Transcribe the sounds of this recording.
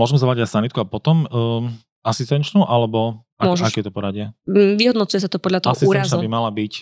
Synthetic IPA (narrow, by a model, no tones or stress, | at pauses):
mʊɔʒɛmɛzɔʋlaɟasanit̪̚kuapɔt̪ɔmː | asist̪ɛnt͡ʃnuʔalɛbɔ | amɔʒakɛjɛt̪ɔpɔɾaɟɪaʋiɦɔd̪nɔt͡sujɛs̬at̪ɔpɔd̪ʎat̪ɔaɔsiuːɾazsaubimalabic